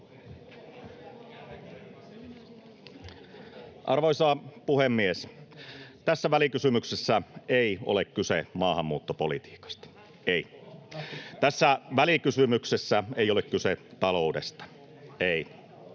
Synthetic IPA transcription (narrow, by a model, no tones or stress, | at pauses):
ʔɑrʋoisɑːpuhemːies | t̪æsːæʋælikysymyksesːæeio̰lekkysḛmɑːhɑmːuːt̪ːopolḭt̪i̥ːkɑ̥st̪ɑ̥ | ei | t̪æsːæʋælikysymyksesːæeijolekkyset̪ɑloudest̪ɑ̥ | ei